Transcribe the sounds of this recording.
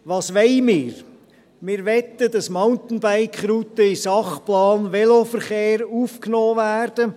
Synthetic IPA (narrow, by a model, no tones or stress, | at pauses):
ʋɑːsʋɛɪmɪːɾ | mɪːɾʋɛt̪ːədɑsmaʊnt̪n̩baɪkχɾuːt̪əɪsɑχplɑːnʋɛlofəɾχeːɾuːfknɔːʋæːrd̥ə